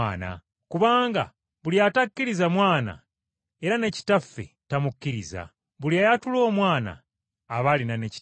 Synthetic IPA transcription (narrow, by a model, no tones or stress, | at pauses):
na̰ | kuβaːŋɡa̰ | βuljatakːiɾizamwaːna̰ | e̞ɾane̞ci̥tafːe̞̰ | tamukːiɾiza̰ | βuliajatulo̞ːmwaːna̰ː | βalinaneci̥